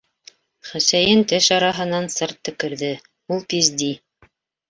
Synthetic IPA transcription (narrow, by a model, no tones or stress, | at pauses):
χæsæjɘnt̪ɘʃɑɾɑɦɤ̆nɑnsɤɾt̪ːɘ̆kɘ̆ɾðɘ | ulˠp̪izd̪i